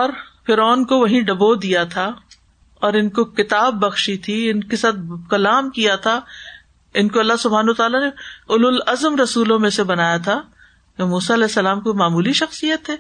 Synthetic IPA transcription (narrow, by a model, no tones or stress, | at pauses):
ɔːɾfɪɾɔːnkoʋɐɦĩɖɐbod̪ijat̪ʰa | ɔːɾɪnkokɪt̪aːbːɐxʃit̪ʰiɪnkesaːt̪̚ʰkɐlaːmkijat̪ʰa | ɪnkoɐlːaɦsʊbʱaːnaːt̪aːlaneʊlʊlɐzəmɾɐsuːlõmẽsebɐnaːjat̪ʰa | jomuːsaɐlɛːsːɐlaːmkomaːmuːliʃɐxsijət̪ɦɛː